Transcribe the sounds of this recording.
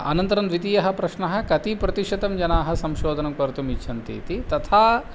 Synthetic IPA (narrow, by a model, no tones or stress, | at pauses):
ɐ̰nɐnt̪ɐɾɐnd̪ʋit̪ijɐɦɐpɾɐʃnɐɦɐ̆kɐt̪ipɾɐt̪iʃɐd̪ɐmd͡ʒɐnaːɦɐsɐmʃoːd̪ʱɐnɐmkʋɐɾt̪umit͡ʃʰʃʰɐnt̪ḭːt̪it̪ɐt̪ʰaː